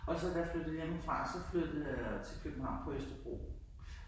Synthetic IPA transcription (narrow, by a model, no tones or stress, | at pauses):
ɒ̽sɒd̥æflød̥ð̩ˠjɑenfʁɑ̰̈sɒ̽flød̥ð̩ˠjɑt͡sʰe̝lkʰøb̥m̩hɑ̈ʊ̰npʰɒ̽øsd̥ɐb̥ʁo̝̰ː